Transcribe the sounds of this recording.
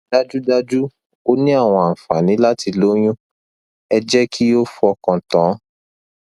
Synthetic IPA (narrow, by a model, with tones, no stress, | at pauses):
da˦d͡ʒu˦da˧d͡ʒu˦ | o˦nĩ˦a˦˨w̃ɔ̃˧a˨fa˨nĩ˨˦la˦ti˧lo˦j̃ũ˦ | ɛ˧d͡ʒɛ˦kʰi˦jo˦fu˧˦ɔ˧kɔ̃˧tã˨˦